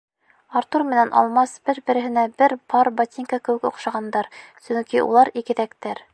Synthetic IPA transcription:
ɑɾt̪uɾmɘ̆nænʔɒ̰lˠmɑsbɘɾbɘ̆ɾɘ̆ɦɘ̆næbɘɾpʰɑɾbɑt̪ʲiŋkɑkɘ̆wɘkŏ̰qʃɑʁɑnd̪ɑɾsɵŋkiʔṵlˠɑɾikɘ̆ðækt̪æɾ

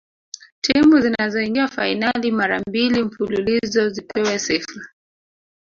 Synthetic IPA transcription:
timuzinazɔiŋɡiwafainalimaɾambilimfululizɔzipʰɛwɛsɛfa

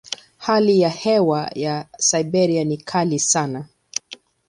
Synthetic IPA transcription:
halijahɛwajasajbɛɾianikʰalisana

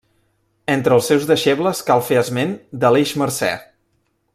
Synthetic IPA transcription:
ent̪ɾəlˠsewzðəʃebləskalˠfeəzmend̪əleʃməɾsɛ̰

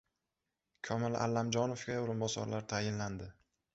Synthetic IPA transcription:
kʲʰɒmɪla̰lːamd͡ʒɒnofɡʲaʊɾʊmbɒsɒ̰ɾlaɾt̪ʰajɪnland̪ɪ

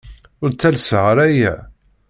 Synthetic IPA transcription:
ʊɾt͡sːælsʁəɾæjæ̰

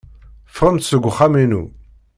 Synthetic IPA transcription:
fʁəmt̪səɡʷχːaminṵ

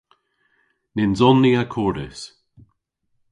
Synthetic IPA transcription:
nɪnzɔnːiakʰɔːɾɪ̰s

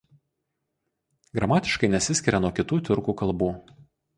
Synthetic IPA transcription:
ɡɾɐmɑːt̪ʲɪʃkɐɪnʲɛsʲɪsʲkʲɪɾʲɛnuɔkʲɪt̪uːt̪ʲʊɾkuːkɐlˠˑbuː

